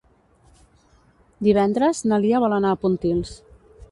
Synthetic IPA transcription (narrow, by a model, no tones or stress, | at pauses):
d̪iβ̞ɛnd̪ɾəznəliəβɔlənaːpunt̪ils